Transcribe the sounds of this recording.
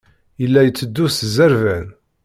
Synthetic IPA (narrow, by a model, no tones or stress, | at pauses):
jəlːæjət͡sːəd̪ːuszæɾvæn